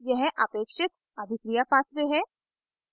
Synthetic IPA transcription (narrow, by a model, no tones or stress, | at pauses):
jɛɦʔɐpeːkʃɪt̪ | ɐd̪ʱɪkɾijapaːt͡ʃʰt̪eɦɛ̃ː